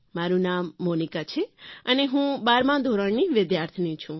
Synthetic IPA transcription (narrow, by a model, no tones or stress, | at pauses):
maɾunamːonikat͡ʃʰeəneɦũbaɾmãd̪ʱoɾəɳniʋɪd̪jaɾt̪ʰənĩt͡ʃʰũ